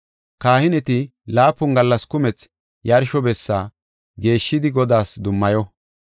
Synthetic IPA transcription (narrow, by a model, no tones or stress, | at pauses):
kaːhɪnɛt̪ɪlaːpːʊnɡɐlːɐskʊmɛt͡s | jɐɾʃɔbɛsːaː | ɡe̞ːʃːɪd̪ɪɡɔd̪aːsd̪ʊmːɐjɔ